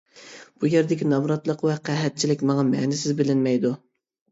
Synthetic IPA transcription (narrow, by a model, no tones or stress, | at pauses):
b̥ujeɾd̪ɪkʲinɑmɾɑt̪lˠəqwɛqæɦɛt̪̚t͡ʃʰilɪkʲmɑŋɑmɛnɪsɪzbɪlɪnmɛjd̪u